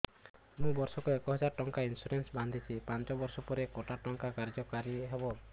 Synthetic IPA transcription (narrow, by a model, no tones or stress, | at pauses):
mũbɔɾsɔkuekɔɦɔd͡ʒaɾɔʈɔŋkainsuɾensband̪ʱit͡ʃʰipant͡ʃɔbɔɾsɔpɔɾekoʈaʈɔŋkakaɾd͡ʒɔkaɾiɦebɔ